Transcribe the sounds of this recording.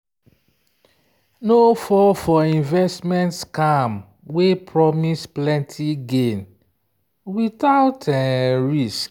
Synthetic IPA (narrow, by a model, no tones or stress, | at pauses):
nofɔfɔĩnvɛstmɛ̃ntskam | wepʰɹɔmisplɛ̃ntʰiɡẽn | witaʊtɛɹisk